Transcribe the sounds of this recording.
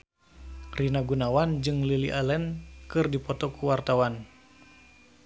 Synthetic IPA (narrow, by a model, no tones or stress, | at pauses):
rinaɡunawand͡ʒɨŋliliʔalɛnkɨrdipɔt̪ɔkuwart̪awan